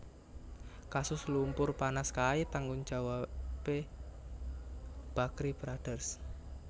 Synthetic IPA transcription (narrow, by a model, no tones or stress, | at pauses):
kasʊslumpʊrpanaskait̪aŋɡʊnd͡ʒ̥a̤wape | b̥a̤kɾibɾaɖ̥ə̤rs